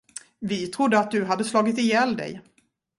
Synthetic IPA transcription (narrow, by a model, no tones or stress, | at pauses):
vɪt̪ʰɾʊd̪ːəat̪̚d̪ɵɦad̪ːəslɑːɡɪt̪ɪjɛːld̪ɛ̰j